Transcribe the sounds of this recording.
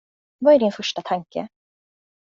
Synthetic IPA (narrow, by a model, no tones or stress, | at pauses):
vaæɖɪnfœʂʈat̪ʰaŋkə̰